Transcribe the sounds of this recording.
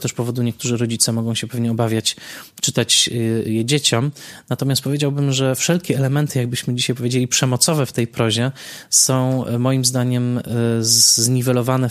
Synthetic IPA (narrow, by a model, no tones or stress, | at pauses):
t̪ɛʂpɔvɔd̪uɲɛkt̪uʐɘɾɔd͡ʑit̪sɛmɔɡɔ̃w̃ɕɛpɛvɲɛɔbavʲjat͡ɕt͡ʂɘt̪at͡ɕjɛd͡ʑet͡ɕɔmnat̪ɔmʲjast̪̚pɔvʲjed͡ʑawbɘmʐɛfʂɛlkʲɛɛlɛmɛnt̪ɘjaɡ̚bɘɕmɘd͡ʑiɕajpɔvʲed͡ʑelʲipʂɛmɔt̪sɔvɛft̪ɛjpɾɔʑɛsɔ̃w̃mɔjimzd̪aɲɛm | zɲivɛlɔvanɛ